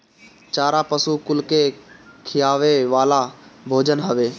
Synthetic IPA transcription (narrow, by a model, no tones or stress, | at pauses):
t͡ʃaːɾapəsukʊlkekʰɪjaːʋeʋaːlabʱoːd͡ʒənɦəʋeː